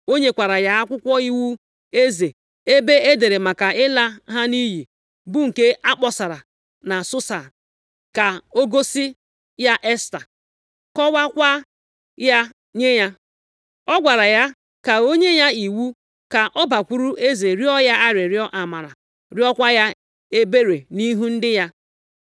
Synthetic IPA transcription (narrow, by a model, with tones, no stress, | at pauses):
o˦ɲe˦kʷa˨ɾa˨ja˦a˦kʷʊ˦kʷɔ˦i˦wu˦ | e˦ze˨ | e˦be˦e˦de˨ɾe˨ma˨ka˨ɪ˦la˦ɦa˦ni˦ɦi˨ | bu˦ŋ̩˨ke˦ʔa˦k͡pɔ˨sa˨ɾa˨ | na˨sʊ˦sa˨ | ka˨o˦ɡo˦si˦ | ja˦ʔe˦sta˨ | kɔ˦wa˦kʷa˦ | ja˦ | ɲe˦ɲa˦ | ɔ˦ɡʷa˨ɾa˨ja˦ | ka˨o˦ɲe˦ja˦i˨wu˦ | ka˨ʔɔ˦ba˨kʷu˦ɾu˦ʔe˦ze˨ɾi˦ɔ˦ja˦a˦ɾɪ˨ɾɪ˦ɔ˦ʔa˨ma˨ɾa˨ | ɾɪ˦ɔ˦kʷa˦ja˦ | e˦be˦ɾe˨ni˦ɦu˦n̩˦dɪ˦ja˦